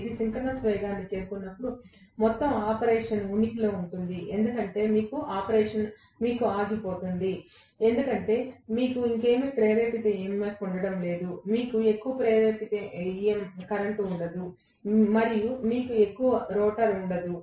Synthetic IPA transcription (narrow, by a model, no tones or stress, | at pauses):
d̪isiŋkɐɾnɐsʋɐjɡaːnːit͡ʃeːɾukunːɐpːuɽumɔt̪ːɐmaːpɐɾeːʂɐnunikilo̞ːuɳʈund̪iʔe̞nd̪ukɐɳʈe̞ːmiːkuaːpɐɾeːʂɐn | miːkuaːɡipo̞ːt̪und̪i | e̞nd̪ukɐɳʈe̞ːmiːkuiŋke̞ːmipɾeːʋeːpit̪eemːmɐkuɳɖɐɽɐmle̞ːd̪umiːkue̞kːuʋɐpɾeːʋeːpit̪eiemkɐɾɐɳʈuɳɖɐd̪u | mɐɾijumiːkue̞kːuʋɐɾɔːʈɐɾuɳɖɐd̪u